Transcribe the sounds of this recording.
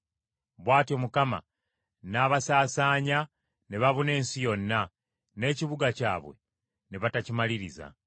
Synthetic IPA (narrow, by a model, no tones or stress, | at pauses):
βwaːtio̞mukama̰ | naːβasaːsaːɲa | neβaβune̞ːnsijo̞nːa | ne̞ːciβuɡaca̰ːβwe̞̰ | neβatacimaliɾiza̰